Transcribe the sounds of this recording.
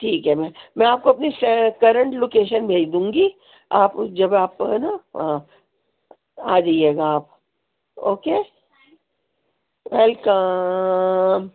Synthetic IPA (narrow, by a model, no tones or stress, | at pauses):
ʈʰiːkɦɛmɛ̃mɛ̃aːp̚koɐpnisɛkɐɾə̃ɳʈloːkeːʃənbʱeːd͡ʒd̪ũːŋɡi | aːpd͡ʒɐbaːpnaɦã | aːd͡ʒaieːɡaːp̚ | oːkeː | ʋɛlkə | m